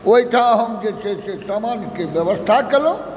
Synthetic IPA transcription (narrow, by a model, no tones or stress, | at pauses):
oɦit̪ʰãɦəmd͡ʒet͡ʃʰesesamankebjəʋəst̪ʰakelõ